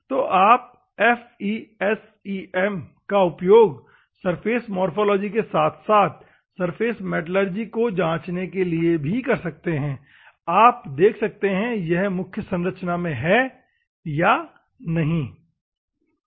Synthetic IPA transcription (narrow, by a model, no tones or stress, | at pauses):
t̪oːʔaːp̚ | ɛfiːɛs | iɛmkaʊpjoːɡ | sɐɾfʰeːsmɔːɾfoːlɔːd͡ʒikesaːt̪ʰsaːt̪̚ʰ | sɐɾfeːsmeːʈləɾd͡ʒikod͡ʒãːt͡ʃnekeliebʱikɐɾsɐk̚t̪eɦɛ̃ː | aːpd̪eːkʰsɐk̚t̪eɦɛ̃jɛɦmʊkʰjəsɐ̃nɾət͡ʃnamẽɦɛ | ja | nɐɦĩ